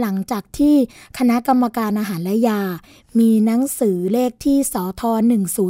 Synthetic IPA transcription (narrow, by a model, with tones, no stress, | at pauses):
la˩˦ŋt͡ɕaː˨˩k̚t̪ʰiː˥˩kʰa˧na˦˥ʔka˧mːa˧kaː˧nʔaː˧ɦaː˩˦nlɛ˦˥jaː˧ | miː˧na˦˥ŋsɯː˩˦leː˥˩k̚t̪ʰiː˥˩sɔː˩˦t̪ʰɔː˧nɯ˨˩ŋsuː˩˦